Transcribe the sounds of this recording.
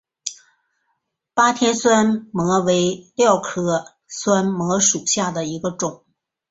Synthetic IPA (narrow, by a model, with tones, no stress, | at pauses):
pa˥t̪ʰjɛ˥nswa˥nmɤ˧˥we˧˥ɪljɑ˥˩ʊkʰɤ˥ | swa˥nmɤ˧˥ʂu˨˩ɕja˥˩d̪ə˩i˧˥ɡə˧ʈ͡ʂʊ˨˩˦ŋ